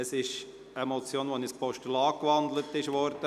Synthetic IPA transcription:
əsɪʃ | emɔt͡sjoːnʋonispɔʃtəlɑːkʋɑnd̪lətːɪʃʋɔɾd̥̪ə

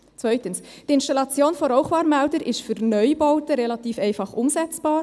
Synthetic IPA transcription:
t͡svœʏtəns | d̥iːɪnʃtɑlɑt͡sjoːnfɔɾoʊχvɑːɾmɛldəɾʔɪstfyɾnœʏbɔʊtəɾelɑtiːfɛɪnfɑχʔʊmzɛt͡sb̥ɑːɾ

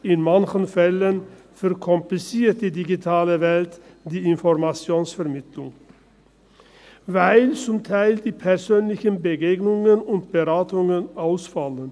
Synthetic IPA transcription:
ɪnmançən̩fɛlən | fœʁkʰɔmplɪsiːt̚d̥̪iːdiɡitʰaːləvɛltd̥iːɪnfɔʁmat͡sjoːnsfɛɐʁmɪt̪lʊŋ | vaɪlt͡sʊmt̪ʰaɪld̪iːpʰɛʁsøːnlɪçənbəɡeːɡnʊŋənʊntb̥əʁaːtʊŋənaʊsfalən

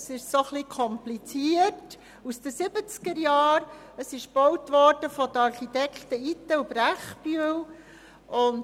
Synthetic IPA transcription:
sɪʃsoχlikʰɔmplit͡siət | usd̥̪əsɪbət͡skəɾjɑːɾ | əsɪʃb̥ɔwtʋɔɾd̥əfɔd̪əɑɾχit̪ɛkχt̪əit̪əubɾæχbyəw | ʊn

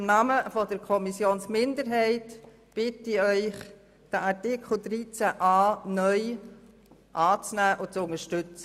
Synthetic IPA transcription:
ɪmnɑːməfɔdəɾkʰɔmisjoːnsmɪnd̪əɾɦɛɪt | b̥ɪtɪœʏχ | d̥æʔɑɹtɪkʰl̩ˠd̥̪ɾiːt͡sæʔɑːnœʏ | ʔɑːt͡snæːʔʊt͡sʊŋəʃtʏt͡sə

